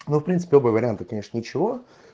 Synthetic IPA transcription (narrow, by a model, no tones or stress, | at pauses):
nofpɾʲint̪ɨ̥pʲɪobəvəɾʲɪant̪əkɐnʲe̞ʂnənʲɪt͡ɕɪvo